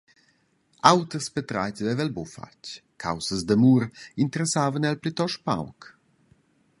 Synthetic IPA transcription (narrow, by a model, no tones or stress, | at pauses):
awt̪əspet̪ɾa̰jt͡svɛvɛlbofa̰ckʰa̰wsəzd̪əmuːɾint̪əɾɛsaːvənɛlplit̪ɔʃpa̰wk